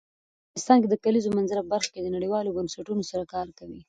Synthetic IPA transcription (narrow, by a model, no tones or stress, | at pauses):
ɑnɪst̪ɑnk̬ed̪əkalizomanzaɾapəbaɾxked̪ənaɽiwɑlobənsaʈunosaɾakɑɾkawi